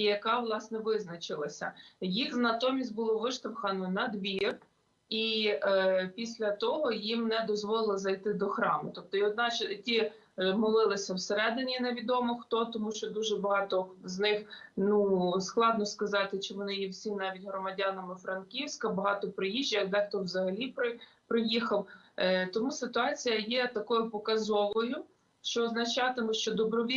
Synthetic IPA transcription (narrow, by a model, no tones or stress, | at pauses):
ijɐkɑʋlˠɑsnɛʋɪznɐt͡ʃɪlˠɐsʲɐ̰jixnɐt̪ɔmʲisʲtʲbʊlˠɔʋɪʃt̪ɐwxɐnɔnɐd̪ʋʲir | i | pʲisʲlʲɐt̪ɔɦɔjimnɛd̪ɔzʋɔlˠɪlˠɪzɐjt̪ɪd̪ɔxɾɑmʊt̪ɔp̚t̪ɔiɔd̪nɑt͡ʃtʲi | mɔlˠɪlˠɪsʲɐwseɾɛd̪ɪnʲineʋʲid̪ɔmɔxt̪ɔt̪ɔmuʃt͡ʃɔd̪uʒɛbɐɦɑt̪ɔznɪxnusklˠɑd̪nɔskɐzɑt̪ɪt͡ʃɪʋɔnɪjiwsʲimnɑʋʲitʲɦɾɔmɐdʲɑnɐmɪfɾɐnkʲiwsʲkɐbɐɦɑt̪ɔpɾɪjiʒʲd͡ʒɐɐɡd̪ɛxt̪ɔwzɐɦɐlʲipɾɪ | pɾɪjixɐw | t̪ɔmusɪt̪ʊɑt͡sʲijɐjɛt̪ɐkɔjʊpɔkɐzɔʋɔjʊ | ʃt͡ʃɔːznɐt͡ʃɑt̪ɪmʊʃt͡ʃɔd̪ɔbɾɔʋʲi